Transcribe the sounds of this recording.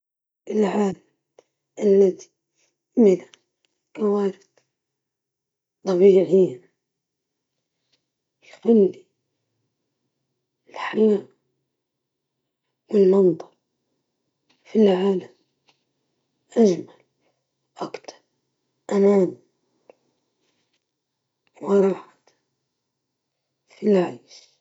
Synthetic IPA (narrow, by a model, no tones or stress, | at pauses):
ʔɪlʕaːlam | ʔalːaði̥ | mɪla | kawaːɾɪd̪ | t̪ˤːɑbiːʕiːn | lxʊlːi | ɪlħajaːʔ | wɪlmɑnt̪ˤɑɾ | filʕaːlam | ʔad͡ʒmal | ʔakt̪ʰɑ̥ɾˤ | ʔanaːn | mɑɾˤɑːħḁt̪ | filʕajʃ